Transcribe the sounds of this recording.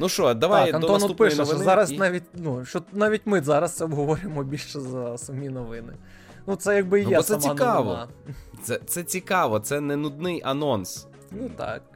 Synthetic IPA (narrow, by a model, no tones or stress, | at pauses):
nuʃt͡ʃɔd̪ɐʋajkɐnɔnɔpɪʃɛzɑɾɐsnɑʋʲit̚ʲnuʃt͡ʃɔnɑʋʲitʲmɪzɑɾɐst̪sɛɔbɦɔʋɔɾʲʊjemɔbʲilʲʃʃɛzɐsɐmʲinɔʋɪnɪ̰ | nut̪sɛjaɡ̚bɪjɛɔssɛmsɑnkɑʋɔ̰sɛt̪sɛt͡sʲikɑʋɔt̪sɛnɛnʊd̪̚nɪjʔɐnɔns | nut̪ɑ̰k̚